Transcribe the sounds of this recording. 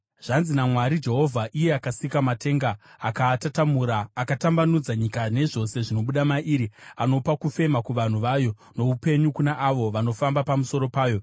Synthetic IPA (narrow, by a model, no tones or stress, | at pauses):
ʐ̥anzinamwaɾid͡ʒe̞ɦo̞vʱaʔije̞akasikamate̞ŋɡaːkatatamuɾaːkatambanud͡zaɲikane̞ʐo̞se̞ʐino̞ɓuɗamaʔiːɾiano̞pakufe̞makuʋan̤uʋajo̞ | no̞upe̞ɲukunaʔaʋo̞ʋano̞fambapamuso̞ɾo̞paːjo̞